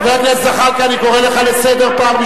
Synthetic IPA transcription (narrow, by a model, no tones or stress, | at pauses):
veaɡlesaχaʁkaaniko̞ʁeleχalesed̪eʁpaːmi